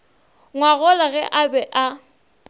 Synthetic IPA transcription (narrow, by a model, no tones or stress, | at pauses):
ŋwaɣɔlaɣɛʔabɛʔa